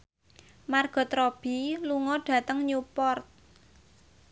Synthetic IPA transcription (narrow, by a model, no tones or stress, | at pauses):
marɡ̥ɔ̤t̪ɾɔb̥i̤luŋɔɖ̥ä̤t̪əŋɲupɔrt̪̚